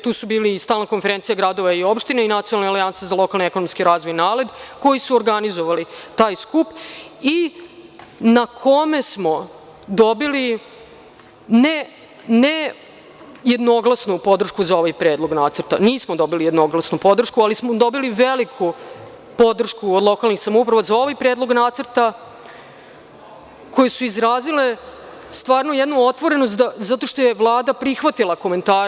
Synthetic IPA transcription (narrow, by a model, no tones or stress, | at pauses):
t̪uːsubiːlist̪aːlnako̞nfeɾent̪sijaɡɾad̪oʋaio̞pʃt̪ineinat̪ionalnealiansezalˠo̞kalˠniekonomskiɾaːzʋo̞jnaːled̪kojisuoɾɡanizoʋalit̪aːjskupi | nakʰo̞me̞smo̞ | d̪o̞bili | ne | ne | je̞d̪no̞ɡlˠasnupo̞d̪r̩ʃkuzao̞ʋajpɾeːd̪lˠo̞ɡnaːt̪səɾt̪a̰niːsmod̪o̞bilijed̪noɡlasnupo̞d̪r̩ʃkualismod̪o̞biliʋelikʰu | po̞d̪r̩ʃkuod̪lˠo̞kalˠnixsamoupɾaʋazao̞ʋajpɾeːd̪lˠo̞ɡnaːt̪sərt̪a | ko̞jesuizɾaːzile̞ | st̪ʋaːɾnojed̪nuo̞t̪ʋo̞ɾe̞nos̬t̪d̪azat̪o̞ʂt̪o̞jevlˠaːd̪apɾixʋat̪ilˠako̞me̞nt̪aːɾ